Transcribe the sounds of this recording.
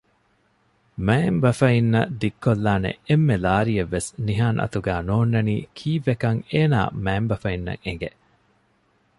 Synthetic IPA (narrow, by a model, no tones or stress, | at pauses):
mæːmbɐfɐinːɐd̪ikːolːaːnḛemːelaːɾijeʋːesniɦaːnʔɐ̰t̪uɡæːnoːnːɐniːkʰiːʋekɐŋeːna̰ːmæːmbɐfɐinːɐ̰ŋeŋɡeʔ